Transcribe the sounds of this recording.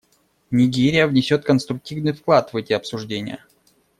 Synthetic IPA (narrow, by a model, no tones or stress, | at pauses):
nʲɪɡʲeɾʲɪjəvnʲɪsʲo̞t̪̚kənst̪ɾʊk̚tʲivnɨjfklˠat̪vɛtʲɪɐpsʊʐdʲenʲɪ̰jə̰